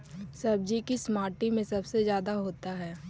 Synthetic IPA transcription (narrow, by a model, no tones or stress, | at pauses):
sɐb̚d͡ʒikismaːɾʈimẽsɐbsezjaːd̪aɦoːt̪aɦɛː